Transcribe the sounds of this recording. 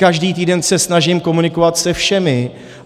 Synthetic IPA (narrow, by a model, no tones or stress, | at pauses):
kaʒdiːt̪iːdɛnsɛsnaʒɪmko̞munɪkovat̪sɛfʃɛmɪ